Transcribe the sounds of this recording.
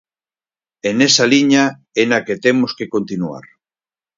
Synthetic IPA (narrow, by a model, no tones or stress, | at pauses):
enesaliɲa | enaket̪emoskekont̪inua̰ɾ